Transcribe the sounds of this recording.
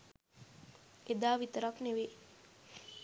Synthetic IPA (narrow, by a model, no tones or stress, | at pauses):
ed̪aːʋit̪əɾakneʋe